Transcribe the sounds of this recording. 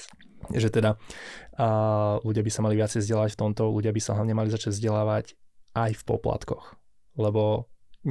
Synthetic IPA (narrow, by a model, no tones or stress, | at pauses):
ʒɛt̪ɛd̪a | luɟɪabisamaliʋɪat͡sɛjzɟɛlaːʋacft̪ɔmt̪ɔluɟɪabisaɦlaʋɲɛmalizat͡ʃaɟvzɟɛlaːʋacʔajfpɔ̰pla̰t̪kɔx | lɛbɔ